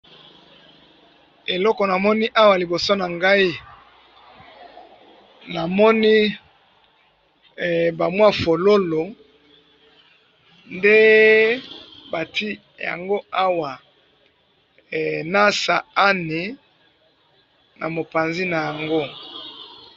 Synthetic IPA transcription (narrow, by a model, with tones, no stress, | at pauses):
e˨lɔ˦kɔ˨na˨mɔ˦ni˦ʔa˦wa˨li˨bo˨so˦na˨ŋɡa˦i˦ | na˨mɔ˦ni˦˨ | ba˨mwa˦fo˨lo˦lo˨ | nde˦ | ba˨ti˦ | ja̰˨ŋɡo˦a˦wa˨ | na˦sa̰˨a˦ni˨ | nʔa˨mo˨pa˨nzi˦na˨ja˨ŋɡo˦